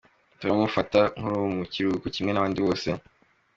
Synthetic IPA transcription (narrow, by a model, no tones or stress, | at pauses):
tuɾamufataŋ̥huɾuwmuciɾukucimŋe̞naβaːndiβo̞ːse̞